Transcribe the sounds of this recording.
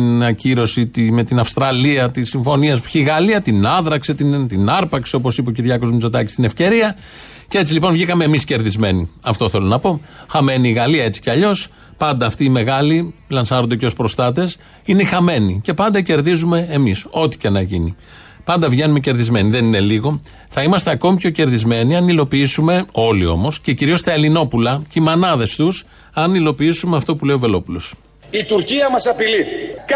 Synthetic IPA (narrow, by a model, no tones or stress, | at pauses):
nɐciɾo̞sit̪ime̞t̪inɐfst̪ɾɐliɐt̪isːiɱfo̞niɐspu̥çiɣɐliɐt̪inɐðɾɐkset̪int̪inɐɾpɐksio̞po̞sipeociɾʝɐko̞zmit͡so̞t̪ɐci̥st̪ine̞fce̞ɾiɐ | cee̞t͡silipo̞nvʝikɐme̞ːmisce̞ɾðizme̞niɐft̪o̞θe̞lo̞nɐpo̞xɐme̞niːɣɐliɐe̞t͡si̥ceɐʎo̞s | pɐnd̪ɐːft̪iːme̞ɣɐlilɐnsɐɾond̪eceospɾost̪ɐt̪̬e̞s | inexɐme̞nice̞pɐnd̪ɐce̞ɾðizume̞ːmiso̞t̪i̥cenɐʝini | pɐnd̪ɐvʝe̞nume̞ce̞ɾðizme̞niðe̞nine̞liɣo̞ | θɐimɐst̪e̞ɐko̞mipço̞ce̞ɾðizme̞niɐnilo̞piisume̞o̞lio̞̰mo̞sce̞ciɾio̞st̪ɐe̞lino̞pulɐceimɐnɐðe̞st̪us | ɐnilo̞piisumeɐft̪o̞pule̞o̞ve̞lo̞pulo̞s | it̪uɾciɐmɐsɐpilik